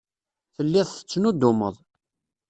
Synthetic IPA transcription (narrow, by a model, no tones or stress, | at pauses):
θəlːɪðˤθə̥t͡sːnud̪ːʊmə̰ðˤ